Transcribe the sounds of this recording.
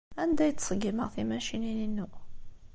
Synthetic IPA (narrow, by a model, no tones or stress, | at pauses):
ænd̪æjət͡s̪ːsˤəɡiməʁθimæʃinininːuʔ